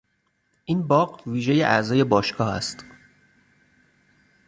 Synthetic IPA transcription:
ʔiːnbɒːɢviːʒe̞jeʔæzɒːje̞bɒːʃkʰɒːhæ̰st̪

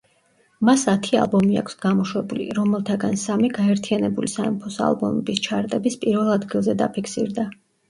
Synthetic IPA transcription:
masat̪ʰia̰lˠbɔmia̰kʰsɡ̥amɔʃwɛbulḭɾɔmɛlˠt̪ʰaɡansamiɡaɛɾt̪ʰianɛbulisaɛmpʰɔsa̰lˠbɔ̰mɛbist͡ʃʰaɾt̪ʼɛbispʼiɾvɛlˠad̪ɡilˠzɛd̪apʰikʰsiɾd̪a

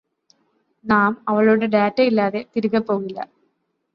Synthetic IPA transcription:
naːmɐʋɐɭoːɽeɖaːtːɐilːaːðe̞t̪iɾuɣɐpːo̞ːɣilːɐ̰

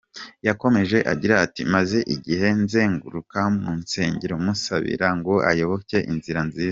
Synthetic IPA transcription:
jako̞me̞ʒe̞ʔa̰ɟiɾaːtimaze̞ʔiɟihe̞nze̞ːŋɡṵɾukamunse̞ːɲɟeɾomusa̰βḭɾaŋɡo̞ʔajo̞βo̞ke̞ʔinziɾanziːza

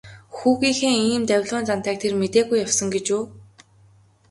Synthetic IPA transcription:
xuːɣiːxeːŋiːmt̪æwʲɮʊːnt͡san̥t̪æːk̚t̪ʰermet̪eːɣujawsɞ̆ŋɡet͡ɕuː

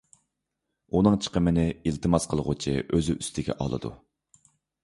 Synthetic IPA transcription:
unɨŋt͡ʃʰə̥qʰəmɪnɪilt̪ʰɨmɑsqʰəlˠʁʊt͡ʃʰḭʔøzyʔyst̪ʰɪɡʲɛ̰ʔɑ̰lˠɨ̰d̪ṵ

